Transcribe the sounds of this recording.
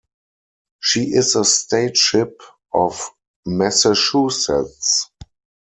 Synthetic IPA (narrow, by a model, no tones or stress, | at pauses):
ʃiːɪzəsteɪtʃɪp | ʔɔf | mɛsɛʃusɛts